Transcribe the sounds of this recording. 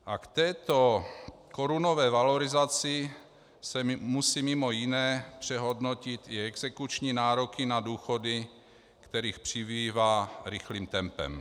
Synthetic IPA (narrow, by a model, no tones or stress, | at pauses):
ʔakt̪ɛːt̪o̞ko̞ɾuno̞vɛːvaloɾɪzat͡sɪ | sɛmusiːmɪmo̞jɪnɛːpr̝̥ɛɦo̞dno̞cɪt̪ɪɛɡzɛkut͡ʃɲiːnaːɾokɪnaduːxo̞dɪ | kt̪ɛɾiːxpr̝̥ɪviːvaːɾɪxliːmt̪ɛmpɛ̰m